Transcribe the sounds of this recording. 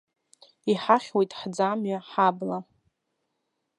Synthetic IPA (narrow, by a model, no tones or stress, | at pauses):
iħaχʲwejtʼħd͡zamɥaħabla